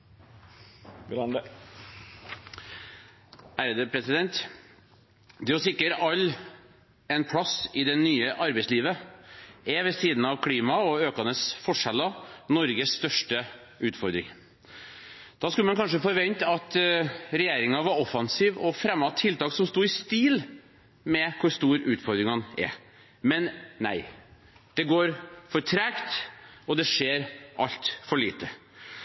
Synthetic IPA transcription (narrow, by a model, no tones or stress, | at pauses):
n | æːɾəd̪əpʰɾɛsɪd̪ɛnt̪ | d̪ɛɔsɪkːəɾɑlː | ɛnpʰlɑsɪd̪ɛnyːəʔɑɾbɛɪsliːʋə | ɛʋɛsiːd̪n̩ɑʋkʰɽiːmɑɔøːkɑnəsfɔʂɛlənɔɾɡəsst̪œʂʈə | ʉːt̪fɔɾd̪ɾɪ̰ŋ | d̪̥ɑskʉləmɛnkʰɑnʂ̬əfɔːɾʋɛnt̪ɑt̪ɾɛjeːɾɪŋɑʋɑɾɔfɑnsiːʋɔfɾɛmːɑt̪ʰːɪlt̪ɑːksɔmst̪uːɪst̪iːl | mɛkʰʊɾst̪uːɾʉ̰ːt̪fɔɾd̪ɾɪŋhɑnɛ̰ | mɛnnæ̰ɪ | d̪̥ɛɡoːɾfɔɾʈʰɾækt̪ɔd̪ɛʂeːɾʔɑʎt̪fɔɭiːt̪ə